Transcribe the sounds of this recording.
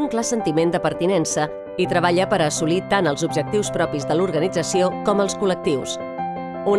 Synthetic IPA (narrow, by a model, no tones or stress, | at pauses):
uŋklasənt̪imend̪əpəɾt̪inɛnsə | it̪ɾəβ̞aʎəpəɾəsulit̪anəlˠzubʒək̚t̪iwspɾɔpizðəluɾɣənid͡zəsiokɔməlˠskulək̚t̪iws | u